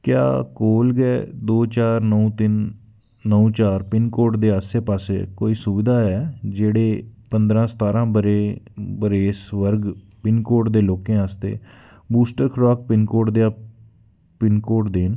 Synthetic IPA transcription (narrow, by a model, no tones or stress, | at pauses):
kja̰ːkoːlɡɛːd̪oːt͡ʃaːɾnəũːt̪ɪnː | əũːt͡ʃaːɾpɪnkoːʈd̪eːaːseːpaːsḛːkoːiːsʊbɪd̪aːɛːd͡ʒeːɽeːpənd̪ɾãːsə̥t̪aːɾãːbəɾeːbəɾeːsʋəɾɡ | pɪnkoːʈd̪eːloːkẽːaːst̪ḛː | buːsʈəɾkʰɾɔːk̚pɪnkoːʈd̪ejaː | pɪnkoːʈd̪eːn